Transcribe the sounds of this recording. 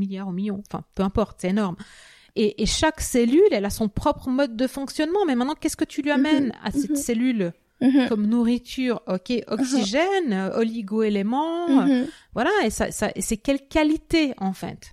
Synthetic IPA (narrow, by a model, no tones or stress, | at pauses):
miljaʁomiljɔ̃ɑ̃fɛ̰̃pøɛ̃pɔʁt̪sɛenɔʁm | eʔeʃakselylɛlasɔ̃pχɔpχəmɔd̪ːəfɔ̃ksjɔnmɑ̃mɛmɛ̃t̪nɑ̃kʲɛskət̪yliamɛna̰sɛt̪selyl | kɔmnuʁit̪ʰyːʁɔkʲeʔɔksiʒɛnøɔliɡoelemɑ̃øvwalaesa̰sa̰ʔesɛkʲɛlkʲalit̪eɑ̃fɛ̰t̪